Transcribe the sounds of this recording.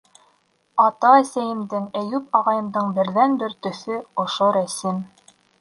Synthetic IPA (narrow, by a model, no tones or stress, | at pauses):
ɑt̪ɑæsæjɘ̆md̪ɘŋæjʉpɑʁɑjɤ̆md̪ɤɴbɘ̆ɾðænbɘɾt̪ɵ̆θɵŏʃoɾæsim